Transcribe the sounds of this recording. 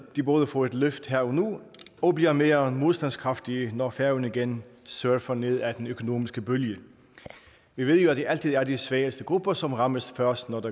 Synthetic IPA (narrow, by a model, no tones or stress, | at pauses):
d̥ib̥oːð̞ˠəfɒe̝d̥løfd̥heɐ̰ɒnuɒ̽bliɐme̝ːɐmo̝ð̞ˠsd̥ænskʰʁɑ̈fd̥iənɒfæɐnəiɡ̥ensøɐfɐne̝ð̞̰ˠæd̥enøkʰo̝no̝̰ːmisɡ̥əb̥øljə | ʋiʋe̝ð̞̰ˠjo̝æd̥e̝ʔæl̰t͡sʰið̞̰ˠæɐd̥isʋɛːəsd̥əɡ̥ʁub̥ɐsɒ̽mʁɑ̈məsfɶɐsd̥nɒd̥ɑ